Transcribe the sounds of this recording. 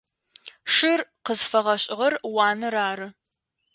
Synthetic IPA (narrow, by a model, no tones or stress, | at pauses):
ʂɪrqəzfɐʁɐɕʼɪʁɐrwɑːnɨɾaːɾɨ